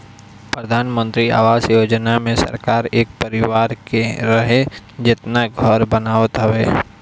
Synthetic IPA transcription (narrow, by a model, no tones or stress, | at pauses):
pɾəd̪ʱaːnmə̃nt̪ɾia̰ːʋaːsjoːd͡ʒnamẽsɐ̰ɾkaːɾeːk̚pəɾɪʋaːɾkeɾɐɦe | d͡ʒɪt̪naɡʱɔɾbənaːʋət̪ɦɐʋeː